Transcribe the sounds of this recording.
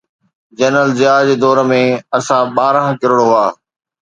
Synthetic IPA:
d͡ʑɐnəld͡ʑɪaːd͡ʑd̪ɔːɾəmẽɐsãɓaːɾə̃ɦkɪɾoɽoɦʊaː

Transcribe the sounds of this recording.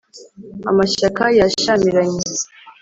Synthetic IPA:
a̰maʃakajaʃamiɾaɲiz

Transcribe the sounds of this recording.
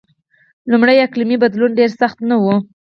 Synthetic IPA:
lumɽəjaklimibad̪lunɖeɾsaxt̪nawu

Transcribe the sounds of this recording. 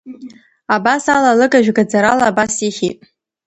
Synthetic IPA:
abasalalɨkʼaʒᶣɡad͡zaɾalaːbasiχʲitʼ

